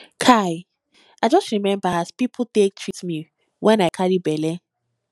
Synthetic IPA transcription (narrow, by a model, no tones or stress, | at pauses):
kʰaj | aɪd͡ʒɔstɹimɛ̃mbaazpipʰl̩ˠtek̚tʰɹitmi | wʔɛ̃naɪkʰaɹibɛlɛ